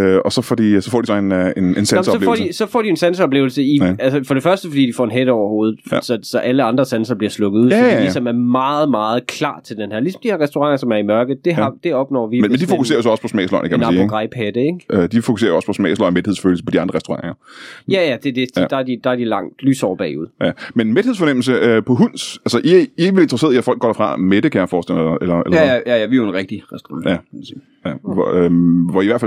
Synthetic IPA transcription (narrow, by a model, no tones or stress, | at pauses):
øɒ̽sɒ̽fɒ̰d̥isɒ̽fɔ̰ːdisɒ̽enenensænmsɒḛfɔ̰isɒ̽fɒ̰ːd̥ie̝nsænsəɒ̽b̥le̝ːʊl̩səiælsəfɒ̽ɾ̥e̝fɶɐsd̥əfɒ̽dḭːdifɒ̰e̝nɦed̥əɒʊɐho̝ːð̞̩̥ˠsɒ̽sɒ̽ʔæləɑ̈nd̥ʁɐsænsɐb̥liɐslɔ̽ɡəuð̰ˠilisɒ̽mæɐmɑ̈ːð̞̩ˠmɑ̈ːð̞̩ˠkʰlɑ̰̈ːt͡sʰe̝ld̥enɦæɐ̰lisɒ̽m̩d̥iheɐʁɛsd̥oʁɑ̈ŋɐsɒ̽mæɐimɶɐɡ̥ð̩ˠd̥e̝ɦɑ̈d̥e̝ɒ̽b̥nɒ̰ːʋimenmensd̥ifo̝kʰuse̝ːɐjosoɒ̽spʰɒ̽smɛ̰ːslɔ̰nkʰæmnæɑ̈sioɡ̥ʁɑɪb̥hed̥əeɡ̥ød̥ifo̝kuse̝ːɐoɒ̽spʰɒsmɛ̰ːslɒ̰nmed̥he̝ðˠsføːl̩səpʰɒ̽diɑ̈nd̥ʁɐʁɛsd̥o̝ʁɑ̈ŋ̰ŋɐjæjæd̥e̝d̥e̝d̥æ̥ɑ̈æɐd̥id̥ɑ̈æɐd̥ilɑ̈ŋ̰d̥ly̰ːsɒ̰ʊ̰ɐb̥ɛ̰ːṵð̰ˠjæmenmed̥hefɒ̽neml̩səpʰɒ̽ɦun̰sælsəʔii̥ʋilend̥ʁəse̝ːɐðˠiæfɒ̽l̰ɡ̥ɒ̰ːdɑfʁɑ̰̈med̥əkʰæjfɒːsd̥el̰ɐelɐelɐjæjæʋijoenʁɛɡ̥̚d̥iʁɛsd̥ɑŋjæ | jæøʋɒiʋæɐ̰fæ